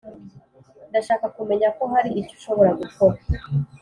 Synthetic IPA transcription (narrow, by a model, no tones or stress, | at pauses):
ndaʃaːkakume̞ɲako̞ɦaɾiːco̥ʃo̞βoɾaɡukoɾa